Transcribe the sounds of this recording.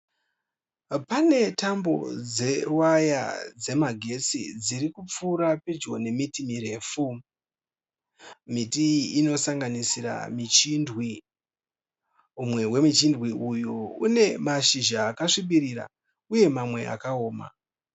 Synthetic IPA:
pane̞tambo̞̰d͡ze̞waja̰d͡ze̞maɡʱe̞t͡sḭd͡ziɾikup͡fuːɾapid͡ʒɡo̞ne̞mitimiɾe̞ːfu | mitiino̞saŋɡanisiɾa̰mit͡ʃindwi | umwe̞we̞mit͡ʃindwiujuune̞maʃiʒaːkaʂiɓiɾira̰ | uje̞mamwe̞ʔa̰kao̞ːma̰

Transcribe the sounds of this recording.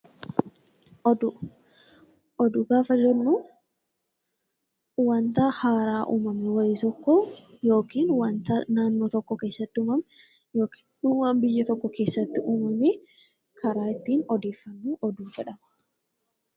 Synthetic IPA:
ʔɔd̪ʊ | ʔɔd̪ʊɡaːfɐd͡ʒɛnːuː | wɐnt̪ahaːɾaːʔṵːmɐmɛwɐjɪt̪ɔkːɔ | jo̞ːkiːnwɐnt̪anaːnːoːt̪ɔkːɔke̞ːsːɐt̪ːɪʊmɐm | joːki̥ːnnuwɐmbɪjːɐt̪ɔkːɔke̞ːsːɐt̪ːɪʔuːmɐmɛ | kʰɐɾaːɪt̪ːiːnɔd̪e̞ːfːɐnːuːʔɔd̪uːd͡ʒɛᶑɐmɐ

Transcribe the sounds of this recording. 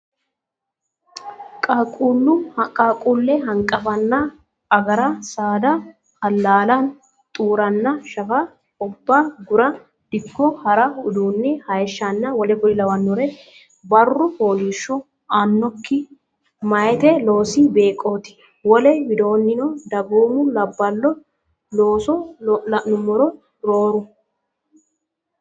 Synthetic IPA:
kʼɐkʼulːʊkʼakʼulːɛɦɐŋkʼɐfɐnːɐ | ɐɡɐɾɐsaːd̪ɐ | hɐlːaːlɐn | t̪ʼuːɾɐnːɐʃɐfɐ | ɔbːaɡʊɾɐ | d̪̥ɪkːɔhɐɾɐʊd̪uːnːɛhɐjɛʃːɐnːɐwɔlɛkʊɪlɐwɐnːɔɾɛ | bɐrːʊfo̞ːliːʃːɔ | anːɔkːɪ | mɐjɛt̪ɛlo̞ːsibeːkʼːo̞ːt̪ɪ̥ | wɔlɛwɪd̪o̞ːnːɪnɔd̪ɐɡoːmʊlɐbːɐlːɔ | loːsɔɐnʊmɔɾɔ | ɾoːɾʊ

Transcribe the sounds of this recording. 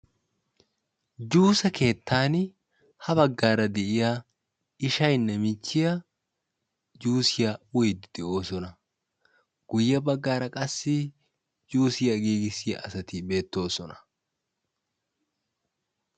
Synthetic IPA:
d͡ʒuːsɐkʰe̞ːt̪ːaːn | hɐbɐɡːaːɾɐd̪ɛʔɪja | ɪʃɐjnːɛmɪt͡ʃːɪjɐ | d͡ʒuːsɪjawʊjd̪d̪̥ɛo̞ːsɔnɐ | ɡ̥ʊjːɐbɐɡːaːɾɐkʼɐsːɪ | d͡ʒuːsɪjɐɡiːɡɪsɪjɐ̰ɐsɐt̪ɪbe̞ːt̪ːo̞ːsɔnɐ̥

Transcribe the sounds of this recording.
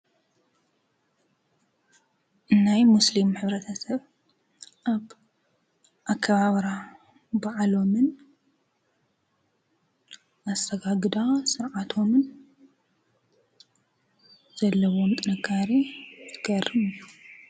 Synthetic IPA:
ʔɨnːajmuslimħɨβɾɐt̪ʰɐsɐβ | ʔaβ | ʔakʰːɐβaβɾa | baʕlo̞mɨn | ʔast̪ʰɐɡaɡɨd̪asɨɾʕat̪ʰo̞mɨn | z̥ɐlːɐwomt̪ʼɨnɨkʰːaɾizʰɨɡʰɐrːɨmɨjːu

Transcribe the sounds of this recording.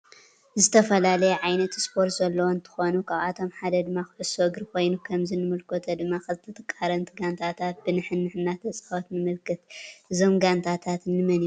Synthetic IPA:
zɨt̪ʰɐfɐlalɐjɛʕajnɐt̪spʰo̞ɾt̪zɐlːɐwont̪ʰɨ̥xo̞nukʰaβat̪ʰo̞mħad̪ɐd̪ɨmːakʊħɨsoɨɡɨɾkʰo̞jnukʰɐmzinɨmɨlkʰo̞t̪ʰɐd̪ɨmːakʰɐzɨt̪ʰɐt̪ʰʼɐkʼːaɾɐnt̪ʰɨɡant̪ʰat̪ʰat̪̚bɨnɨħɨnːɨħɨnːat̪ʰɐt͡sʼawot̪nɨmɨlkʰɨt̪ʔɨzo̞mɡant̪ʰat̪ʰat̪nːɨmɐni

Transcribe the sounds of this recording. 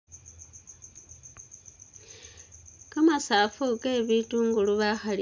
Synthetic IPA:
kamasaːfuke̞βituːŋɡuluβaxali

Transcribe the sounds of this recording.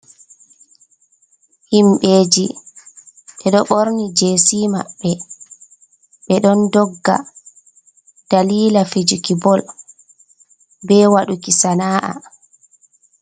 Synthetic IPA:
himɓeːd͡ʒi | ɓɛɗɔɓoɾnid͡ʒeːsima̰ɓːɛ | ɓɛɗɔndɔɡːa̰ | d̥aliːlafed͡ʒukibɔl | bɛwaɗukisanaːʔa̰

